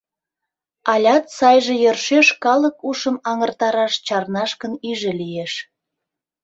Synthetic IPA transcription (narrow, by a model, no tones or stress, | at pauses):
ɑlʲɑt̪sɑjʒejørʃeʃkɑləkuʃəmɑŋərt̪ɑɾɑʃt͡ɕɑrnɑʃkənyʒĕlijeʃ